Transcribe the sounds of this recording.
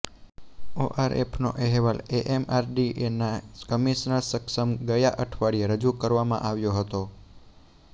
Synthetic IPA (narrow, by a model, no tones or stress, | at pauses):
oʔaɾʔḛpʰnoʔeɦeʋaleʔemaɾɖiʔenakəmiʃnəɭsəkʃəmɡəjaʔəʈʰʋaɽijeɾəd͡ʒukəɾʋamã̰ʔaʋjoɦət̪o